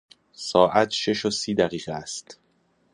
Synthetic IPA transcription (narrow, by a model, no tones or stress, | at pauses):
sɒːʔæt̪ʰʃe̞ʃosiːd̪æɣiːɣeæst̪